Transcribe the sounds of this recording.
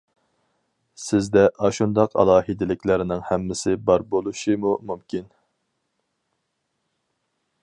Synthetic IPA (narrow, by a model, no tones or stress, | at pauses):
sɪzd̪ɛʔɑʃund̪ɑqʰɑ̰lˠɑːhid̪ɪlɪkʲlɪɾɪnɪŋhɛmːɪsɪbɑɾbolˠuʃimumumkʲʰin